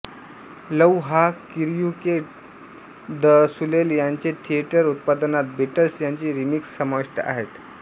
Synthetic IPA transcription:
ləwɦakiɾjukeʈ | d̪əsuleljaɲt͡ɕet̪ʰieʈəɾut̪̚pad̪ənat̪̚biʈəlsjaɲt͡ɕiːɾimiksːəmaʋiʂʈə̰ʔa̰ɦet̪

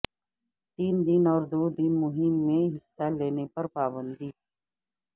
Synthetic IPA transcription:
t̪iːnd̪ɪnɔːɾd̪oːd̪ɪnmʊɦɪmːẽɦɪsːaleːnepɐɾpaːbə̃nd̪iː

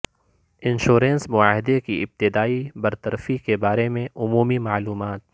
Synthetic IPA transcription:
ɪ̃nʃuːɾẽnsmʊaːɦɪd̪ekiɪb̚t̪ɪd̪aːibɐɾt̪ɐɾfikebaːɾemẽʔʊmuːmimaːluːmaːt̪̚

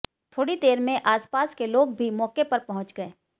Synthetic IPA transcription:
t̪ʰoːɽid̪eːɾmẽʔaːspaːskeloːɡbʱimɔːkepɐɾpɐɦʊ̃t͡ʃɡɐeː

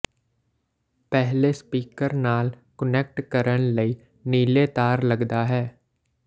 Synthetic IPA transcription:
pɛɦlespiːkəɾnaːl | kənek̚ʈkəɾənləiː | niːlet̪aːɾləɡd̪aɦɛː

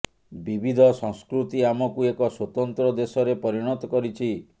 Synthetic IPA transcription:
bibʱid̪ʱɔsɔ̃ŋskɾut̪iamɔkuekɔswot̪ɔnt̪ɾɔd̪esɔɾepɔɾiɽ̃ɔt̪ɔkɔɾit͡ʃʰi

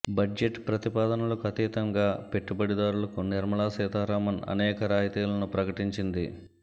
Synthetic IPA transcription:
bɐe̞ʈpɾɐt̪ipaːd̪ɐnɐlɐkuɐt̪iːt̪ɐŋɡaːpe̞ʈːubɐɽid̪aːɾulɐkuniɾmɐlaːsɛːt̪aːɾaːmɐnɐ̰nɛːkɐɾaːjt̪iːlɐnupɾɐkɐʈiɲt͡ʃind̪i

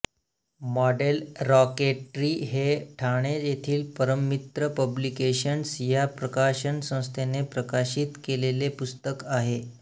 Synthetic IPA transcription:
mɔɖelɾɔkeʈɾiːɦeʈʰaɽ̃ed͡ʑet̪ʰiːlpəɾəmːit̪ɾəpəblikeɕənsjapɾəkaɕənsə̃w̃st̪ʰenepɾəkaɕiːt̪kelelepust̪əkaɦe

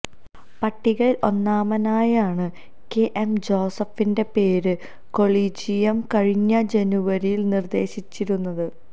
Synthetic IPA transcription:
pɐʈːiɣɐɭilʔo̞nːaːmɐnaːjaːɳɨ | keʔemd͡ʑo̞ːsɐfinde̞pe̞ːɾɨ | ko̞ɭiːd͡ʑijɐmkɐɻiɲːɐd͡ʑe̞nuʋɐɾijilnird̪e̞ːɕit͡ɕːiɾunːɐðɨ

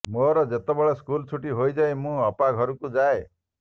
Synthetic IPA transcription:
moɾɔd͡ʒet̪ebɔɭeskult͡ʃʰuʈiɦojd͡ʒaemũɔpaɡʱɔɾukud͡ʒae

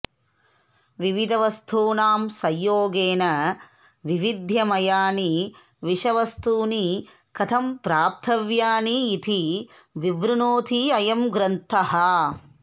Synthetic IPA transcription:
ʋiʋid̪ɐʋɐst̪ʰuːnaːmsɐjːoːɡeːnɐ | ʋiʋid̪ʱjɐmɐjaːni | ʋiʃɐʋɐst̪ʰuːni | kɐt̪ʰɐmpɾaːp̚t̪ʰɐʋjaːniːt̪ʰiʋiʋɾunoːt̪ʰiɐjɐmɡɾɐnt̪ʰɐɦɐ

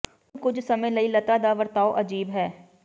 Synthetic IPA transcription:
kʊd͡ʒsɐmə̃jlɐilɐt̪ad̪aʋəɾt̪aːoʔɐd͡ʒiːbɦɛː

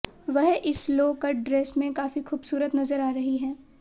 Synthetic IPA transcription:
ʋɐɦɪsloːkɐɖɾeːsmẽkaːfixuːbsuːɾət̪nɐzəɾaːɾɐɦiɦɛː

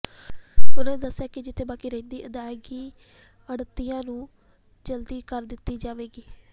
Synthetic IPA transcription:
bʊlə̃d̪əsːjaːkɪd͡ʒɪt̪ʰːeːbaːkiːɾẽːnd̪iːʔəd̪aːɪɡiː | əɽt̪ijãːnũː | d͡ʒəld̪iːkəɾd̪ɪt̪ːiːd͡ʒaːʋeːɡiː

